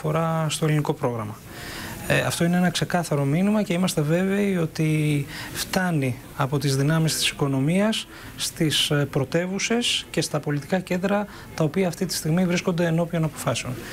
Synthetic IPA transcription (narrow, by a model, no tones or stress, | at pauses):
fo̞ɾɐst̪oeliniko̞pɾo̞ɣɾɐmɐ | ɐ̰ft̪o̞ineenɐkse̞kɐθɐɾo̞minimɐce̞imɐst̪e̞ve̞ve̞io̞t̪ift̪ɐni | ɐpo̞t̪izðinɐmist̪i̥si̥ko̞no̞miɐsː | t̪ispɾo̞t̪e̞vuse̞sce̞st̪ɐpo̞lit̪i̥kɐce̞nd̪ɾɐ | t̪ɐopiɐːft̪it̪i̥st̪iɣmivɾisko̞nd̪e̞ːno̞pio̞nɐpofɐseo̞n